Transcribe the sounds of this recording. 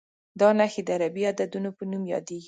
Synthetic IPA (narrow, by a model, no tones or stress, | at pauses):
d̪ɑnaxed̪əaɾabiad̪ad̪unopənumjɑ̰d̪eɡi